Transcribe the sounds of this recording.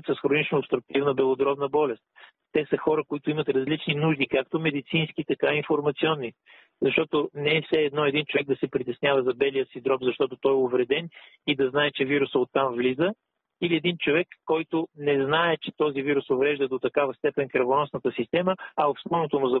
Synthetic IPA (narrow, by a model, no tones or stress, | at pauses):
t̪səsxɾonit͡ʃnoɐpst̪ɾuk̚t̪ivnəbɛlˠod̪ɾɔbnəbɔlɛst̪̚ | t̪ɛsəxɔɾəkoit̪ʊimɐt̪ɾɐzlit͡ʃninuʒd̪ikakt̪omɛd̪it̪sinsk̟it̪ɐkaiɱfoɾmɐt̪siɔnːi | zɐʃt̪ɔt̪onɛɛfsɛːd̪nɔɛd̪int͡ʃovɛɡ̚d̪ɐsɛpɾit̪ɛsnʲjavəzɐbɛlijəsid̪ɾɔpzɐʃt̪ɔt̪ot̪ɔjɛʊvɾɛd̪ɛn | id̪ɐznaɛt͡ʃɛviɾusəot̪ːamvlizə | iliɛd̪int͡ʃovɛkːɔjt̪ʊnɛznaɛt͡ʃɛ̥t̪ɔziviɾusovɾɛʒd̪əd̪ot̪ɐkavəst̪ɛpɛnkɾɐvonɔsnət̪əsist̪ɛməɐofspɔnot̪onozɐ